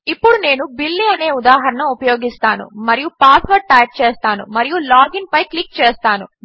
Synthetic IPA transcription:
ipːuɽune̞ːnubilːiɐne̞ːud̪aːɦɐɾɐnɐupɐjo̞ːɡist̪aːnṵmɐɾijupaːsʋɐɾ̚ʈɐjɐʈ̚t͡ʃeːst̪aːnṵmɐɾijulaːɡinpɐjklik̚t͡ʃeːst̪aːnṵ

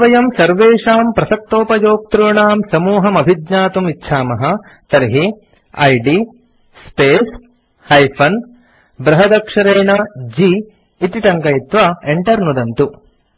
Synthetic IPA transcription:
ʋɐjɐmsɐɾʋeːʂaːmpɾɐsɐk̚t̪oːpɐd͡ʒoːk̚t̪ɾujɳaːmsɐmuːɦɐmɐbʱid̪ɲaːt̪umitːʃʰaːmɐɦɐ | t̪ɐɾɦi | ɐ̰jɖi | speːs | hɐjpʰɐn | bɾɐɦɐd̪ɐkʂɐɾeːɳɐd͡ʒiː | t̪iʈɐŋkɐjit̪ʋaeɳʈɐɾnud̪ɐnt̪u

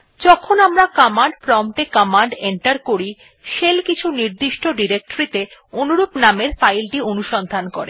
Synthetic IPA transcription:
d͡ʑɔkʰonamɾakamaɳɖpɾɔmʈekɔmaɳɖeɳʈaɾkoɾi | ʃelkit͡ɕʰuniɾd̪iʃʈoɖiɾek̚ʈoɾit̪eonuɾupnameɾfajlʈionuʃɔnd̪ʱankɔɾe

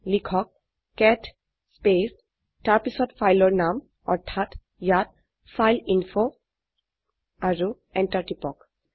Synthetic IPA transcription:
likʰɔk̚ː | ɛt | spes | taɹpisɔtfʰajlɔɹnam | ɔɹtʰat | jat̚ | fʰajlinfʰo | aɹu | ɛntaɹʈipɔk

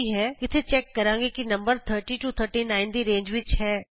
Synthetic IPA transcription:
iɦɛːɪt̪ʰet͡ʃɛːkːɐɾãːŋɡekinɐ̃mbəɾt̪ʰəɾʈiʈut̪ʰəɾʈinãːɪnd̪iɾẽːɲd͡ʒʋɪt͡ʃɦɛː

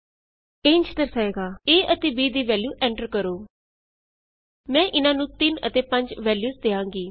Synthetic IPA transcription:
eːɲt͡ʃt̪əɾsaːeːɡaːeːʔət̪eːbiːd̪iːʋɛːljuːʔɛ̃ːɳʈəɾkəɾoː | mɛ̃ːʔɪnãːnũːt̪ɪnə̰t̪eːpəɲd͡ʒʋɛːljuːzd̪eːãːŋɡiː

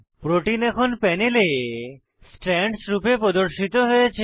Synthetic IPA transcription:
pɾoʈinɛkʰonpɛnele | sʈɾɛɳɖsɾupepɾɔd̪oɾʃit̪oɦojet͡ɕʰ

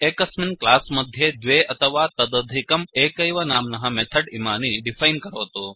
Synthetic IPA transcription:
ekɐsminklaːsmɐd̪ʱjed̪ʋeɐt̪ʰəʋaːt̪ɐd̪ɐd̪ʱikɐmeːkɐjʋɐnaːmnɐɦɐmet̪ʰɐɖimaːniɖifʰajnkɐɾoːt̪o

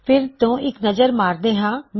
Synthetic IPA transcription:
pʰɪɾt̪õːʔɪknəzəɾmaːɾd̪eːɦãːm

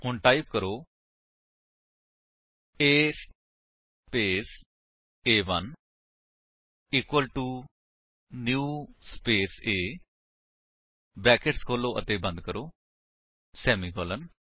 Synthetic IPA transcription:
hʊɳʈaːipkəɾoː | eːs | peːs | eːʋən | iːkwəlʈuː | njuːspeːseː | bɛːkɪʈskʰoːloːʔə̰t̪eːbə̃nd̪kəɾoː | sɛːmiːkʰɔːlən

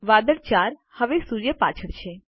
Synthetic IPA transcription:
ʋaːd̪əɾt͡ʃaɾhəʋesuɾjəpa̰t͡ʃʰəɽt͡ʃʰe

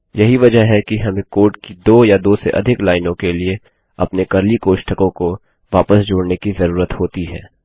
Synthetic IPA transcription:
jɐɦiʋɐd͡ʒəɦɛkiɦɐmẽkoːʈ̚kid̪oːjad̪oːsḛʔɐ̰d̪ʱɪklaːɪnõkelie | ɐpnekɐɾlikoːʃʈʰəkõko | ʋaːpəsd͡ʒoːɽnekizɐɾuːɾət̪hoːt̪iɦɛ̰ː

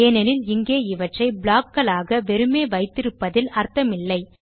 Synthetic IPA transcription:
eːnɐnɪlɪŋɡeːɪʋɐʈrɐɪbɭaːkːɐɭaːɣɐʋɛɾɯmeːʋɐɪt̪ːɪɾɯpːɐðɪlɐɾt̪ɐmɪlːɐɪ

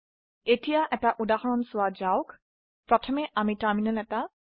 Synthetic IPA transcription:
etijaʔɛtaʔudaxɔɹɔnsʊwad͡ʒaʊwk | pɹɔtʰɔmɛʔamitaɹminalɛta

